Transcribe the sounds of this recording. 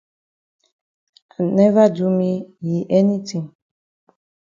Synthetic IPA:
a˨nɛ˦va˦du˦mi˦ji˨ʔɛ˦ni˦tʰĩ˨ŋ

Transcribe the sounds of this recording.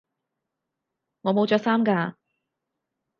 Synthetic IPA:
ŋɔː˨˧mo˨˧wt͡ʃɔː˧ksaː˥mkaː˧

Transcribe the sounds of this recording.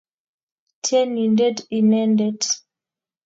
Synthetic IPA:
tʰɛ˦ni˨ndɛ˦di˨nɛ˦ndɛ˨d

